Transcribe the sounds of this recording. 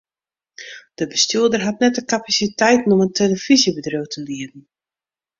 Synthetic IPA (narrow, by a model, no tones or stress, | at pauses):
d̥əbəstyədərɦatnɛt̚dəkapasitɛjtn̩ɔməntʰeləfizjəbədrowtʰəndiədn̩